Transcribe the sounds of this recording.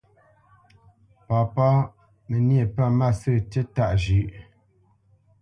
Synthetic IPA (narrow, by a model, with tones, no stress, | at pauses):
pɔ˨pɔ˦ | me˨nje˨pa˦˨ma˦˨sə˦˨te˦ta˦ʔʒʉ˨ʔ